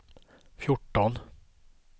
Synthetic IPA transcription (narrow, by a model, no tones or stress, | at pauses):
fjʊʈːɔn